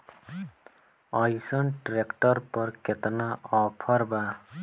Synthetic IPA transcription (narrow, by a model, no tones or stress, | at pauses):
ʌjsɔnʈɾekʈɔɾpɔɾket̪naɔpʰɔɾba